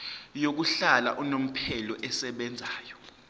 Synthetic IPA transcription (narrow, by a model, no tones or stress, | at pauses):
jok̬uɬala̰ʔunom̩pʰɛlɔʔɛsɛɓɛnd͡zʱaːjɔ